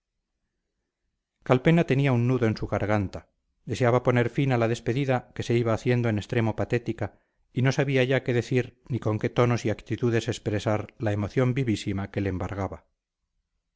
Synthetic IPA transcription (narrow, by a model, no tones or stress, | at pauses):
kalpe̞nat̪e̞niaunːuðo̞e̞nsuɣaɾɣ̞ant̪a | d̪e̞se̞aβapo̞ne̞ɾfinalaðe̞spe̞ðiðake̞se̞iβaːθje̞nd̪o̞ene̞st̪ɾe̞mo̞pat̪e̞t̪ika | ino̞saβiaʝake̞ðe̞θiɾniko̞ŋke̞t̪o̞no̞siakt̪it̪uðe̞se̞spɾesaɾlae̞mo̞θjo̞mbiβisimake̞leeːmbaɾɣaβa